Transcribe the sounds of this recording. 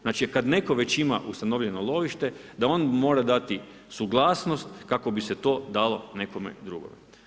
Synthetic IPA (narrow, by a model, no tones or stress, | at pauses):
znat͡ʃikad̪ne̞ko̞ʋet͡ɕimaʔust̪ano̞ʋʎenolˠo̞ʋiʃt̪e̞d̪ao̞ːnmo̞ːɾad̪at̪i | suɡlˠaːsno̞st̪kako̞biset̪o̞ːd̪alˠo̞ne̞ko̞mḛd̪ɾuɡo̰ʋḛ